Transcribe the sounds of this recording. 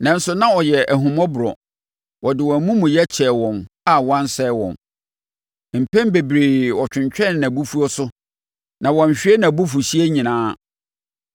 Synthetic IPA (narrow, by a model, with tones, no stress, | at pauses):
nã˦n˦sʊ˦nã˦ɔ˨jɛ˨æ˨ɦũ˨mɔ̃˦bʊ˨ɾɔ̰˨ | wɔ˨dɪ˨wɔ̃˨mũ˦mũ˨jɛ˦t͡ɕʰɛː˨wɔ̃˨na˦wã˦n˦sɛ˦wɔ̰̃˨n | m̩˨pʰɛ̃˦mbe˨bɾeː˨wɔ˨t͡ɕᶣɪ̃˨ɲt͡ɕᶣɛ̃˦˨nːã˨bu˦fu˦o˦sʊ˦ | nã˨wɔ̃˨ɲ̩˨ɕᶣɪ˦e˦nã˨bu˦fu˨ɕi˦e˦ɲĩ˨nãː˦